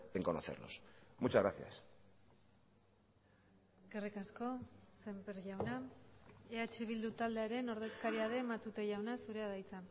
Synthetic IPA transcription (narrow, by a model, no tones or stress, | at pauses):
eŋko̞no̰θeɾno̰smut͡ʃazɣɾaθja̰s | e̞ske̞rikasko̞se̞mpeɾʝawna | eat͡ʃe̞β̞ild̪ut̪ald̪eaɾe̞no̞ɾð̞e̞skaɾiaðe̞ːmat̪ut̪e̞ʝawnasuɾe̞aðajt͡sa